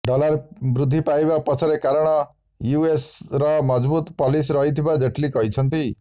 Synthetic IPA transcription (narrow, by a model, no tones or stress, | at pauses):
ɖɔlaɾbɾud̪ʱːipajbapɔt͡ʃʰɔɾekaɾɔɽ̃ɔ | juesɾɔmɔd͡ʒbut̪pɔlisɾɔɦit̪ʰibad͡ʒeʈʰlikɔɦit͡ʃʰɔnt̪i